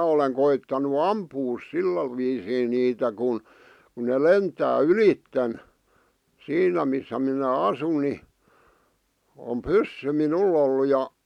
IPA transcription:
oleŋ koitːɑnu ɑmpuːs silːæ ʋiːsiːn niːtæ kun ku ne lentæː ylitːen siːnæ misːæ minæ ɑsun ni om pysːy minul olːu jɑ

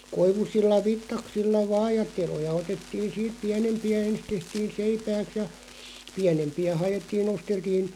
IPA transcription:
koiʋusilːɑ ʋitːɑksilːɑ ʋɑːj̆ jɑ telojɑ otetːiːn̞ siːt piænempiæ ens tehtiːn̞ seipæːks jɑ piænempiæ hɑj̆etːiːn nosteltiːn

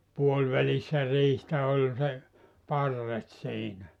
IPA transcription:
puolʋælisːæ riːhtæ olʲ se pɑrːet siːnæ

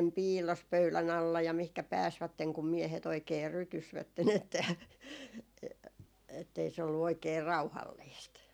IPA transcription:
piːlːos pøylæn ɑlːɑ jɑ mihkæ pæːsʋætːeŋ kum miehet oikeː rytysʋætːen etːæ e etːei se olːu oikeː rɑuhɑlːiːst

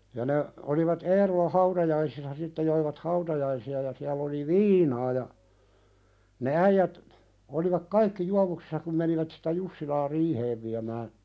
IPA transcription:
jɑ ne oliʋɑt eːrolɑ hɑutɑjɑisisːɑ sitːe joiʋɑt hɑutɑjɑisiɑ jɑ siæl oli ʋiːnɑː jɑ ne æijæt oliʋɑk kɑikːi juɑʋuksi̥sːɑ kum meniʋæt si̥tæ jusːilɑː riːheːʋ ʋiæmæː

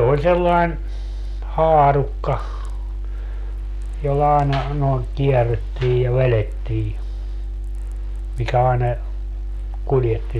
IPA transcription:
olʲ selːɑin hɑːrukːɑ jolːɑ ɑenɑ noiŋ kiɛrːetːiːj jɑ ʋeletːiː mikæ ɑenɑ kuljetːi

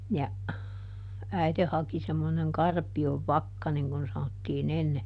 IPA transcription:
jɑ æite hɑki semːoneŋ kɑrpioʋ ʋɑkːɑ niŋ kun̞ sɑnotːiːn enːe

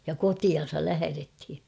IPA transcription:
jɑ kotiɑn̞sɑl læhærethi

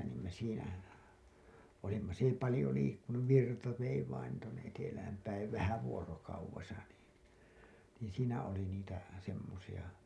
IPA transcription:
niːm me siːnæ olimːɑ s ei pɑlĭjo liːkːunuʋ ʋirtɑ ʋei ʋɑin tuonːe etelæhæm pæiʋ ʋæhæ ʋuorokɑuʋesɑ niː niːĩ siːnæ oli niːtæ semːosij̆ɑ

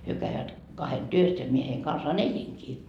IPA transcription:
hyø kæiʋæt kɑhen tyøs jɑ mie heiŋ kɑnsɑːn eliŋkiː

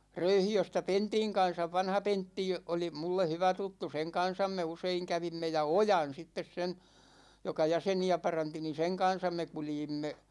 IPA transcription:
røyhiøstæ pentiŋ kɑn̞sɑʋ ʋɑnhɑ pentːi oli mulːe hyʋæ tutːu seŋ kɑn̞sɑm me useiŋ kæʋimːe jɑ ojɑn sitːes sen̞ jokɑ jæseniæ pɑrɑnti ni seŋ kɑn̞sɑm me kuljimːe

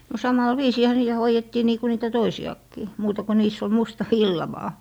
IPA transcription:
no sɑmɑl ʋiːsiːhæ niːæ hoijetːiː niː ku niːtæ toisiɑkːiː muːtɑ ku niːs ol mustɑ ʋilːɑ ʋɑː

